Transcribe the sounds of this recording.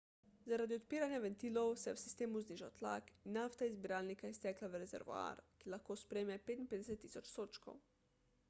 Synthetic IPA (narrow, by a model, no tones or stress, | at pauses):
zaɾaːd̪iɔt̪piːɾanjaʋɛnt̪iːlɔwsɛjɛwsi̥st̪eːmuzniʒa̰wt̪la̰kinːaft̪aizbiɾaːlnikaɛst̪ɛːklaʋəɾɛzɛ̰ɾʋo̰a̰ːɾkilaxkoːspɾeːmɛpeːt̪inpeːd̪ɛsɛt̪ːiːsɔt͡ʃsoːt͡ʃkɔ̰w